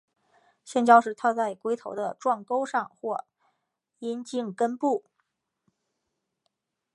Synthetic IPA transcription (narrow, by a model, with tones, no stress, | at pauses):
ɕjɛ˥˩nt͡ɕjɑ˥ʊʂɻ̩˥˩t̪ʰa˥t͡sa˥˩ɪkwe˥ɪt̪ʰo˧˥ʊd̪ə˧ʈ͡ʂwɑ˥˩ŋko˥ʊʂɑ˥˧ŋxwɔ˥˩ | i˥nt͡ɕi˥˩ŋkə˥npu˥˩